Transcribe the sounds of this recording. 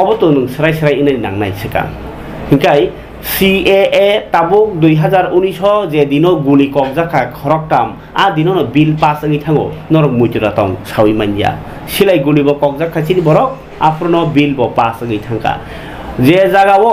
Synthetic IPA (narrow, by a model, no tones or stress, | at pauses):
ɔbɔtunɯŋsɾajsɾajɯnanna̰ŋna̰jsʰɯka̰ | hʰiŋkaj | sieetabuk̚dujɦazaɾunjsɔzɛd̪inɔɡulikɔk̚zakʰakʰɔɾɔk̚tam | ad̪inɔnɔbilpasɯŋɯjtʰaŋɔ̰nɔɾɔk̚mujtuɾatɔ̰ŋsʰawjmanija̰ | silajɡulibɔkɔk̚zakʰːasinibɔɾɔk̚ | apʰɾɔnɔbilbɔpasɯŋɯjtʰaŋka̰ | zɛzaɡawɔ